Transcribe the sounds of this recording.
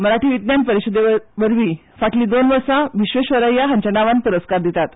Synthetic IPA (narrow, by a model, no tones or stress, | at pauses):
məɾaʈiːʋit̪njanpəɾiɕəd̪eʋəɾʋiː | faʈliːd̪onʋəɾsaʋiɕʋeɕʋəɾəjaɦə̃ɲt͡ɕənaʋanpuɾəskaɾd̪it̪at̪